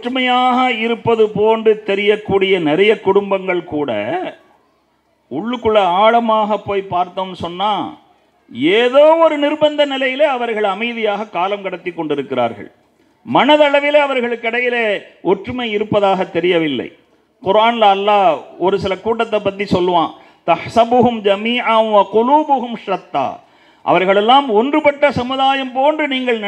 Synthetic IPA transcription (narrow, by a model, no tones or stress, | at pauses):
ɔʈrɯmɐjaːɣɐɪɾɯpːɐðɯpoːndɯt̪ɛɾɪjɐkːuːɽɪjɐnɪɾɐjɐkʊɽʊmbɐŋɡɐɭkuːɽɐ̰ | ʊɭːɯkːɯɭːɐaːɭɐmaːɣɐpːoːjpaːɾt̪oːmnɯsɔnːaː | eːðoːɔɾɯnɪrbɐnd̪ɐnɪlɐjɪleɐʋɐɾɣɐɭɐmɐɪðɪjaːɣɐkːaːlɐmkɐɽɐt̪ːɪkːɔɳɖɪɾɯkːɪɾa̰ːɾɣɐ̰ɭ | mɐnɐðɐɭɐʋɪleɐʋɐɾɣɐɭɯkːɐɽɐjɪleːʔɔʈrɯmɐɪɪɾɯpːɐðaːɣɐt̪ːɛɾɪjɐʋɪlːɐ̰ɪ | qʊɾaːnlɐːlːaːɔɾɯsɪlɐkuːʈːɐt̪̬ːɐpːɐt̪̬ːisɔlːɯʋãː | t̪ɐħsɐbʊɦʊmd͡ʒɐmiːʕɐnʋɐqʊluːbʊɦʊmʃɾɐt̪ːa̰ː | ʔɐ̰ʋɐɾɣɐɭɛlːaːmɔndrɯpɐʈːɐsɐmɯðaːjɐmpoːndrɯniːŋɡɐɭn